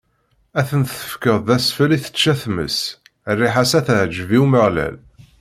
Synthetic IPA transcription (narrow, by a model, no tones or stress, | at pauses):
æθənθə̥fkəðˤðæsfəliθə̥t͡ʃːæθmə̰s | rːiħasæθʕd͡ʒviuməʁlæ̰l